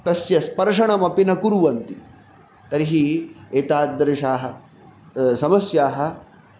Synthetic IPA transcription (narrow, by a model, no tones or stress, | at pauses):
t̪ɐsjɐspɐɾʂɐɳɐmɐpinɐkuɾuʋɐnt̪i | t̪ɐɾiɦieːt̪aːd̪ːɐɾiʃaːɦɐ | sɐmɐsjaːɦɐ̆